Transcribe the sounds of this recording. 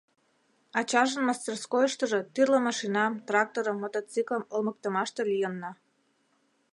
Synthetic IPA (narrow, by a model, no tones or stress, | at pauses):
ɑt͡ɕɑʒə̆nmɑst̪erskojəʃt̪əʒet̪yrləmɑʃinɑmt̪rɑk̚t̪oɾəmːot̪ot͡sikləmolmək̚t̪əmɑʃt̪elijənːɑ